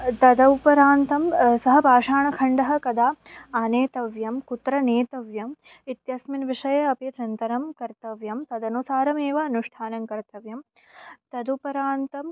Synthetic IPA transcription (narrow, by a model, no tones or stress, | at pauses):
t̪ɐd̪ɐupɐɾaːnt̪ɐmsɐɦɐbʱaːʂaːɳɐkʰɐɳɖɐɦɐ̆kɐd̪aːaːneːt̪ɐʋjɐmkut̪ɾɐneːt̪ɐʋjɐm | it̪jɐsminʋiʂɐjɐɐpjɐt͡ʃɐnt̪ɐɾɐmkɐɾt̪ɐʋjɐmt̪ɐd̪ɐnusaːɾɐmeːʋɐːnuʂʈʰaːnɐmkɐɾt̪ɐʋjɐm | t̪ɐd̪upɐɾaːnt̪ɐm